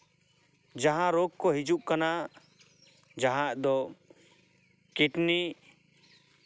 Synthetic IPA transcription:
d͡ʒaɦãɾɔɡkɔɦid͡ʒuʔkana | d͡ʒaɦãd̪ɔ | kiʈni

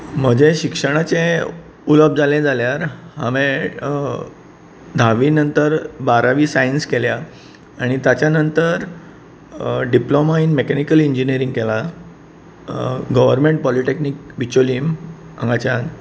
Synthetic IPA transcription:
m̤əd͡ʑeɕikʂəɽ̃at͡se | uləb̚d͡zaled͡zaljaɾhaʋẽ | d̪ʱaʋiːnənt̪əɾbaɾaʋiːsainskelja | aɽ̃it̪jat͡ɕjanənt̪əɾ | ɖiplomainmekanikəliɲd͡ʑiniəɾiŋɡkela | ɡəʋəɾmeɳʈ̚pɔliʈeknik̚ʋit͡ɕoliːm | ã̰ŋɡat͡ɕjan

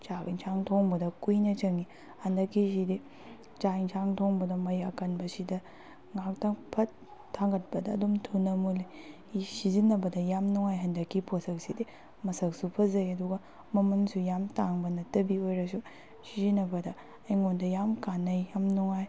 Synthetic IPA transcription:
t͡ʃakḭnsʰaŋtʰoŋbɐdɐkujnɐt͡ʃɐŋi | hɐndɐkːisidi | t͡ʃainsʰaŋtʰoŋbɐdɐmɐjɐkɐnbɐsidɐ | ŋak̚tapʰɐt | tʰːaŋɡɐt̚pɐdɐːdomtʰunɐmuli | sizinɐbɐdɐjamnuŋajɦɐndɐkːiposɐk̚sidi | mɐsɐksupʰɐzɐjɐduɡɐ | mɐmɐnsujamtaŋbɐnɐtɐbiojɾɐsu | sizinɐbɐdɐː | jŋondɐjamkanɐjjamnuŋaj

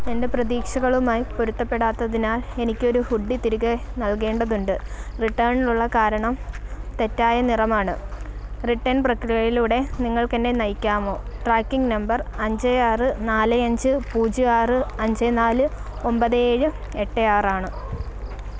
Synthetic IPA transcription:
ende̞prɐðiːkʂɐɣɐɭumaːjipoɾut̪ːɐpːe̞ɽaːt̪ːɐðinaːle̞nikʲːo̞ɾuhuɖːit̪iɾuɣɐnɐlke̞ːɳɖɐðuɳɖɨriʈːɐːɳiluɭːɐkaːɾɐɳɐmt̪e̞tːaːjɐnirɐmaːɳɨriʈːɐnprɐkrijɐjiluːɽe̞niŋːɐɭkende̞nɐjkʲːaːmo̞ːʈraːkːiŋɡnɐmbɐrɐɲd͡ʑɐjaːrɨnaːlɨɐɲd͡ʑɨpuːd͡ʑɨaːrɨɐɲd͡ʑɐnaːlɨo̞mbɐðeːɻɨ | eʈːejaːraːɳɨ

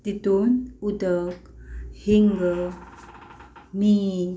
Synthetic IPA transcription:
t̪it̪unudək̚ | hiŋɡə | mi

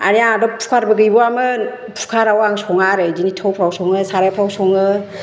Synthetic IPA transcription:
a̰niadɔpʰu̥kʰaɾbɯɡɯjbɔamɯ | pʰu̥kʰaɾawaŋsɔŋaɾɯdinitʰawpʰɾawsɔŋɯsaɾajpʰɾawsɔŋɯ

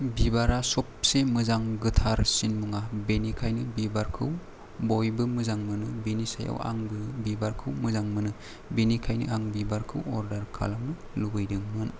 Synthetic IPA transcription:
bibaɾasɔp̚semɯzaŋɡɯtʰaɾsinmuŋabenikʰajnɯbibaɾkʰɯw | bojbɯmɯzaŋmɯnɯbenisa̰ja̰wa̰ŋbɯbibaɾkʰɯwmɯzaŋmɯnɯ | benikʰajnɯ̰ʔaŋbibaɾkʰɯwɔɾdaɾkʰa̰lamnɯ | lubɯjdɯŋmɯn

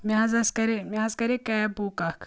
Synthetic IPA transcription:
mʲazɐskɐɾemʲaːzkɐɾekɐjɐbuːkakʰ

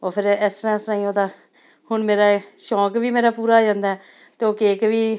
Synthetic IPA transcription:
oːpʰɪɾɛst̪ɾãːsɾãːĩːoːd̪ãː | hʊɳmeːɾaːʃɔːkbiːmeːɾaːpuːɾaːd͡ʒãːnd̪aɛː | t̪eːoːkeːkʋiː

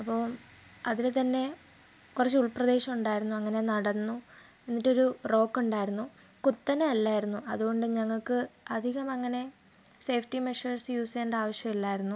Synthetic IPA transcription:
ɐpːoː | ɐðilet̪ɐnːe̞ | kurɐt͡ɕːɨuɭprɐd̪e̞ːɕɐmuɳɖaːjiɾunːuɐŋːɐne̞nɐɽɐnːu | e̞nːitːo̞ɾuro̞ːkːuɳɖaːjɾunːu | kut̪ːɐnɐɐlːaːjiɾunːuʔɐðuɣo̞ɳɖɨɲɐŋːɐɭkɨɐd̪ʱiɣɐmɐŋːɐne̞ | se̞ːfʈimeʂɐrsjuːseːɳɖaːʋɐɕjɐmilːaːjiɾunːu

